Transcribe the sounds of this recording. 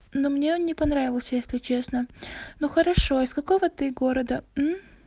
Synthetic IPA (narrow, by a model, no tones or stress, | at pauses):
nomnʲeonnʲɪpɐnɾavʲɪvəlˠsʲəjesʲlʲɪt͡ɕe̞snənuxəɾɐʂo̞ɪskɐko̞vət̪ɨɡo̞ɾəd̪əm̩